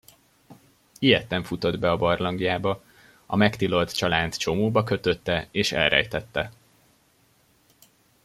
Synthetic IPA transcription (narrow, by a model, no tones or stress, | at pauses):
ijɛt̪ːɛɱfut̪o̞d̪bɛɒbɒrlɒŋɡijaːbɒ | ɒ̰mɛkt̪ilo̞lt̪t͡ʃɒlaːnt̪t͡ʃo̞moːbɒkø̞t̪ø̞t̪ːɛeːʃɛ̰lrɛ̰jt̪ɛt̪ːɛ